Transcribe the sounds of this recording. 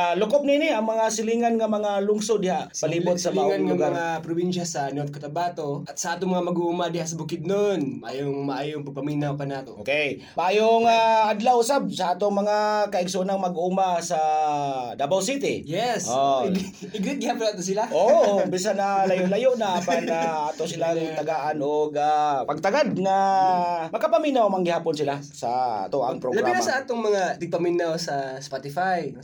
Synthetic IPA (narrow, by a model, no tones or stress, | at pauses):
alʊkop̚ninɪɐŋmɐŋasɪliːŋanŋɐmɐŋalʊŋsod̪ːɪɦaʔpɐliːbʊt̪̚sɐbaalʊɡaŋapɾʊbinʃasɐnot̪̚kɐt̪abat̪oɐt̪sɐaːt̪oŋmɐŋamɐɡuumad̪ɪhas̬ɐbʊkɪd̪̚nonmaʔa̰ːjoŋmaʔajʊŋpɐɡ̚pɐminawkanaːt̪oʔokej | mɐʔaːjoŋaʔad̪lawʔʊsab̚sɐʔaːt̪oŋmɐŋakɐʔɪɡsonaŋmɐɡuːmasa | d̪abawsit̪ɪjɛsoɪ | ɪɡɾɪt̪̚ɡɪhaːponat̪ʊs̬ɪlaʔobis̬analɐjʊʔlajoʔnaʔapanaat̪osɪlaŋt̪ɐɡaʔanoɡapɐɡ̚t̪ɐɡad̪̚na | mɐɡkapɐminawmaŋɡɪhaːponsɪlasɐa̰t̪oʔa̰ŋppɾolɡɐɾainasɐʔaːt̪oŋmɐŋad̪ɪɡ̚pɐminawsɐspat̪ɪfaj